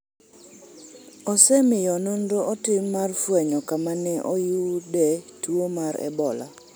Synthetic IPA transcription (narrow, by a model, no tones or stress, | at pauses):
ɔsɛmɪjɔnondoʔɔtɪmːarfwɛɲɔkamanɛʔɔjudɛtwomaɾɛ̰bɔla̰